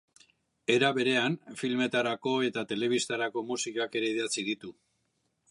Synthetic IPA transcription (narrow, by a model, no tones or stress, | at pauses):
e̞ɾaβe̞ɾe̞anfilme̞t̪aɾako̞e̞t̪at̪e̞le̞βist̪aɾako̞musikake̞ɾe̞iðat͡siðit̪u